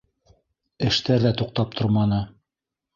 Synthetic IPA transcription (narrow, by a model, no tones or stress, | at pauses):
ɘ̆ʃt̪æɾðæt̪uq̚t̪ɑp̚t̪ʰoɾmɑnɤ